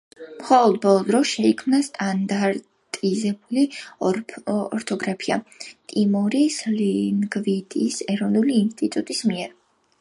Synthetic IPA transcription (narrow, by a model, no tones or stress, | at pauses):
mχɔlˠɔd̪̚bɔlˠɔd̪ɾɔsʃɛikʰmnast̪ʼand̪aɾ | t̪ʼizɛbuli | ɔɾt̪ʰɔɡɾapʰia̰t̪ʼimuɾislinɡvid̪ʰisɛɾɔvnuliːnst̪ʼit̪ʼut̪ʼismiɛɾ